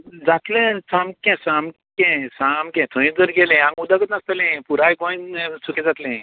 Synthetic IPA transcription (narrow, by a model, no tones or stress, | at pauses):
d͡zat̪lẽsãmkɛ̃samkɛ̃samkɛ̃t̪ʰə̃ĩd͡zəɾɡɛlɛ̃ãŋɡud̪akət̪nast̪əlɛ̃puɾajkõĩnsukɛ̃d͡zat̪lɛ̃